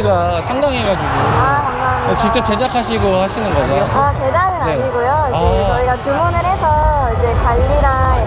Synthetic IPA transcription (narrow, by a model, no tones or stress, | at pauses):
ɡasʰaŋdaŋɦeɡad͡ʑiɡoakaŋmaokit͈ɯɭped͡ʑakʰaɕʰiɡohaɕʰinɯnɡʌd͡ʑoat͡ɕe̞d͡ʑaɡɯnaɲiɡojoiaet͡ɕʌiɡat͡ɕumunɯɾɦe̞sʰʌid͡ʑe̞kwaʎːiɾa